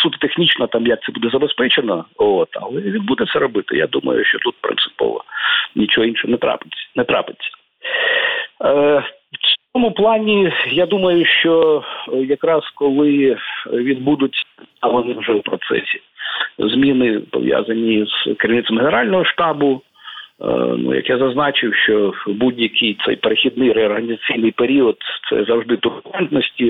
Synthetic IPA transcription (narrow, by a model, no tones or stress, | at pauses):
sut̪t̪exnʲit͡ʃnɐt̪ɑmjɐk̪̚sɛbud̪ɛzɐbespɛt͡ʃenɔ̰ɔt̪ɐ̰lˠɛʋʲid̪bud̪ɛt̪sɛɾɔbɪt̪ɪ̰ja̰d̪umɐ̰jʊ̰ʃt͡ʃɔt̪ut̪̚pɾɪ̰nt̪sɨ̥pɔ̰ʋɐ̰nʲit͡ʃɔɦɔinʃɛɦɔnɛt̪ɾɑ̰pɪ̥nɛt̪ɾɑ̰pɪt͡sʲɐ̥ | wt͡sʲɔmʊplˠɑnʲijad̪umɐjʊʃt͡ʃɔjɐkɾɑskɔlˠɪ | ʋʲid̪̚bud̪ʊt̪ʲɐɦɔnɪwʒɛwpɾɔt̪sɛ̰sʲi̥ | zmʲinɪpɔ̰ʋʲja̰zɐnʲiz̥keɾʲiwnɪt̪sɐmhenɛɾɑlʲnɔɦɔʃt̪ɑbʊ | nṵjɐ̰kjazɐznɑt͡ʃɪwʃt͡ʃɔbudʲjɐkʰɪjt̪sɛ̰jpeɾexʲid̪̚nɪjɾɛɔrɦɐnʲizɐt͡sʲijnɪjpeɾʲiɔd̪t̪sɛ̰zɐwʐd̪ɪt̪ʊʊɾɛnt̪nɔsʲtʲi